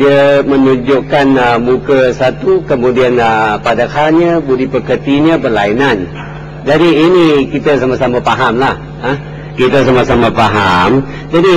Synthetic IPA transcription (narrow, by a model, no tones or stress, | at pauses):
diəmənuɲd͡ʒʊʔkanəmukəsat̪ukəmũdianəpadakʰalɲəbudipəkərt̪iɲəbərlainan | d͡ʒadiːnikit̪əsamasamapaɦamlah | ə | kit̪əs̬amasamapaɦam | d͡ʒadi